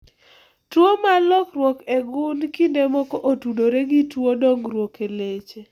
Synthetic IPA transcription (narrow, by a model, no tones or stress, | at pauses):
twomalɔkrwɔkeɡʊnkindemɔkɔʔotudoɾeɡitwodɔŋɾwokelet͡ʃe